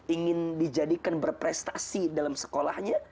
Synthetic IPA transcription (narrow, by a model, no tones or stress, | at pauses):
iŋɪndid͡ʒadikanbərpɾɛst̪asidalamsə̥kola̰hɲa